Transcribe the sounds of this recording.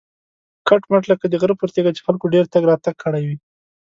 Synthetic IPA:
kaʈmaʈləkad̪əɣəɾpəɾt̪eɡat͡ʃe̥xalkoɖeɾt̪aɡɾɑt̪aɡ̚kʰəɽajwi

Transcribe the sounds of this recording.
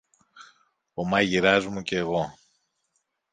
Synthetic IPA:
omɐʝiɾɐzmuceːɣo̞

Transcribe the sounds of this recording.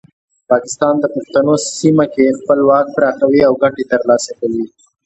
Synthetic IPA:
pɑkɪst̪ɑnd̪əpʊxt̪anossimakexpəlwɑk̚pɾɑxawiawɡaʈet̪əɾlɑsakawi

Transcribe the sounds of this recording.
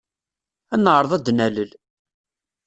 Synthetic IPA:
ænəʕɾˤəðˤæd̪næləl

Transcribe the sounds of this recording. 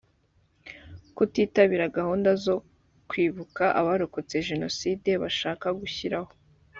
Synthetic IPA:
kutiːtaβiɾaɡahuːndazo̞ | kwiːβukaʔaβaɾokot͡se̞ʒe̞no̞siːde̞βaʃaːkaɡuçiɾaho

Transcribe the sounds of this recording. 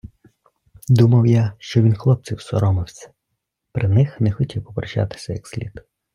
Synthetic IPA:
d̪umɐwjaʃt͡ʃɔʋʲinxlˠɔp̚t͡sʲiwsɔ̰ɾɔmɪwsʲɐ̥ | pɾɪnɪxnɛxɔtʲiwɔpɾt͡ʃa̰t̪ɪ̥sʲɐjɐksʲlʲḭd̪

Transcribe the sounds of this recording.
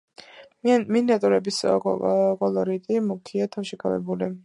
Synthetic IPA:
miniat̪ʼuɾɛbis | kʼɔlˠɔɾit̪ʼimukʰiat̪ʰafʃɛkʰavɛ̰buli

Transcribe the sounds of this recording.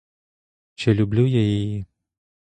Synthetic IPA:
t͡ɕʲɛlʲublʲujajaji

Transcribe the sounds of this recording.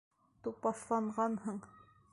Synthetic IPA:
t̪upɑθlˠɑɴʁɑnhɤɴ

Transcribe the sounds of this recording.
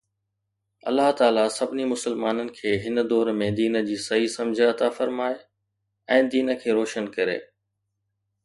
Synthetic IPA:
ɐ̰lːaɦt̪aːlasɐbɪnimʊsəlmaːnənɪ̆kʰeːɦɪnə̆d̪ɔːɾmẽd̪iːnə̆d͡ʑiːsɐɦisɐ̃md͡ʑʱɐt̪afɐɾmaːe | ɛ̃ːd̪iːnə̆kʰeːɾɔːʃənkɐɾḛː

